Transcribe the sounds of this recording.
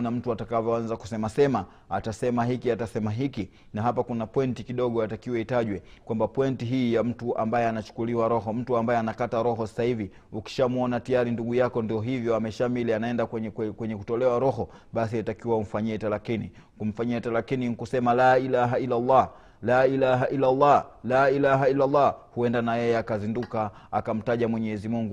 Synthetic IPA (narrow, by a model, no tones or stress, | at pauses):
nam̩tuatakavjɔanzaku̥sɛmasɛma | atasɛmaɦikiatasɛmaɦiki | naɦapakunapwɛntikiɗɔɠɔjatakiwɛitaʄwɛkwambapwɛntiɦiːjam̩tuʔa̰mbajɛanat͡ʃu̥kuliwaɾɔɦɔm̩tuambajɛanakataɾɔɦɔsḁsahivi | uki̥ʃamuɔnatijaɾinduɠujakɔndiɔɦivjɔamɛʃamilianaɛndakwɛkwɛɲɛkutɔlɛwaɾɔɦɔ | ɓasiatakiwaum̩faɲiɛtalakini | kum̩faɲiɛtalakiniŋkusɛmalaːilaɦailːalːɑː | laːilaɦaʔilːalːɑlaːilaɦailːalːɑhuɛndanajɛjɛakazinduka | akam̩taʄamwɛɲɛzimuŋɡu